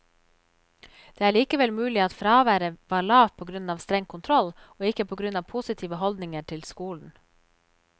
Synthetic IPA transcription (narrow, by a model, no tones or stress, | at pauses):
d̪̥eːæːɭiːkəʋɛlmʉːlɪɑt̪fɾɑːʋæːɾəʋɑːɭɑːʋpʰoːɡɾʉnɑːʋst̪ɾɛŋkʰʊnt̪ʰɾɔl | oːɪkəpʰoːɡɾʉnɑːʋpʰusɪt̪ʰiːʋəhɔld̪nɪŋəʈʰɪlskuːln̩